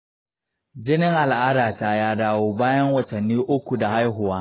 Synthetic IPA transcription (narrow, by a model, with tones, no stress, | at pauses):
d͡ʒɪ˦nɪ˦ŋʔa˨lʔaː˦daː˨taː˦jaː˦daː˦woː˦baː˦jɐ˦ŋwɐ˨tɐ˨nːiː˦ʔʊ˦kʷu˨da˨ha˦jɦʊ˨waː˦